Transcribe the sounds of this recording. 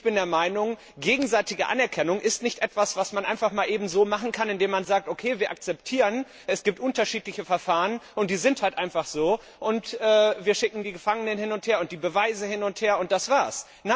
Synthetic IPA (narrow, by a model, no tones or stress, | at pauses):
ɪçb̥ɪndeːɐmaɪnʊŋ | ɡeːɡŋ̩zaɪtɪɡəʔa̰nɛɐkʰɛnʊŋʔɪstnɪçtʔɛtv̥asv̥asmanʔaɪnfaχmaːlʔeːbm̩zoːmaχn̩kʰanɪndeːmanzaːk̚tʔokʰeːviːɐʔak̚t͡sɛp̚tʰiːʁən | ʔɛsɡ̥iːp̚tʔʊntɐʃiːtlɪçəfɛɐfaːʁənʔʊnt̚d̥iːzɪnthaltʔaɪnfaχz̥oː | ʔʊntʔɛːviːɐʃɪkŋ̩diːɡəfaŋənənhɪnʊntheːɐʊnt̚d̥iːbəvaɪzəhɪnʊntheːɐʊnt̚d̥asv̥aːɐs | na